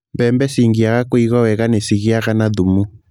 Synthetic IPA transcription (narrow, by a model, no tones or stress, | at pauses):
mbɛmbɛsiŋɡiaɣakoiɣɔwɛɣanɛsiɣiaɣanaðumu